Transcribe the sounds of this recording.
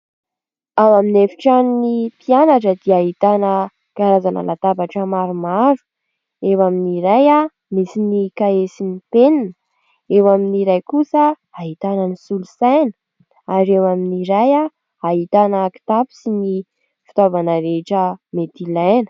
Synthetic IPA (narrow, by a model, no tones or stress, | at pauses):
awaminefi̥ʈ͡ʂannipianaʈ͡ʂəd̪iaɦit̪anə | ɡ̥aɾazanə̰lat̪apaʈ͡ʂəmaɾumaɾu̥ | ewaminiɾaja | misinikaesinipeninə | ewaminiɾajkusə | aɦit̪anənisulusajnə̥ | aɾewaminiɾaja | aɦit̪anəki̥t̪api̥sini | fi̥t̪ovanəɾeʈ͡ʂəmet̪ilajnə̥